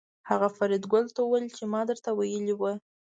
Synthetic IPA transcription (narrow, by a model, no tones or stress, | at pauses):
haɣafaɾid̪ɡʊlt̪awuwajlt͡ʃemɑd̪əɾt̪awajəliwə